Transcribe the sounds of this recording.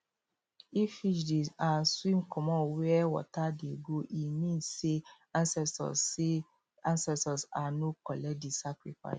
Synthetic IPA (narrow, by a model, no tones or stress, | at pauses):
ifiʃdezãnswĩmkʰɔmɔ̃nwɛɛwɔ̰tadeɡoʔimĩnssːe | ãnsɛsɔ̰e | ãnsɛstɔsanokɔlɛk̚disakɹifa̰ɪs